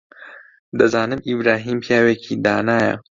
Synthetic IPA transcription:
d̪ɐzaːnɨmibɾaːɦiːmpjaːweːkʰid̪aːnaːjɐ̰

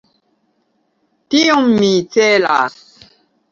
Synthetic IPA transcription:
tiɔmːit͡sɛla̰ss

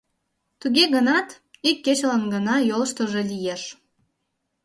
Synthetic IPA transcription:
t̪uɣeɣənɑt̪ | ikʲːet͡ɕlənɡənɑjolʃt̪ŏʒelijeʃ

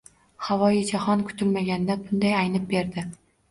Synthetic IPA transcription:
havɒjɪd͡ʒahɒnkʰʊ̥t̪ʰɪlmaɡʲand̪abʊnd̪ajajnɪp̚be̞ɾd̪ɪ

